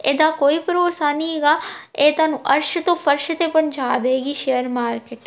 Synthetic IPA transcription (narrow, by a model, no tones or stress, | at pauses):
eːd̪aːkoːiːpəɾoːsaːnĩɦeːɡaːeːt̪waːnũːʔəɾʃt̪õːpʰəɾʃt̪eːpəɲd͡ʒaːd̪eeːɡiːʃejəɾmaːɾkeʈ